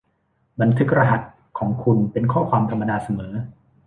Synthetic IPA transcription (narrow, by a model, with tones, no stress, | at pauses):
ba˧nt̪ʰɯ˦˥k̚ɾa˧ɦa˨˩t̪̚ | kʰɔː˩˦ŋkʰu˧npe˧nkʰɔː˥˩kʰwaː˧mt̪ʰa˧mːa˧daː˧sa˧mɤː˩˦